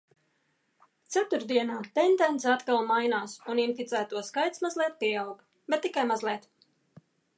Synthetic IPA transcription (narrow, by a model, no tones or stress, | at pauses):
t̪sæt̪uɾd̪iɛnaːt̪ɛnd̪ɛnt̪sat̪kalˠmajnaːsuninfit̪sæːt̪uɔskajt̪smazlʲɛːt̪̚piɛawɡ | bɛt̪ːikajmazlʲɛːt̪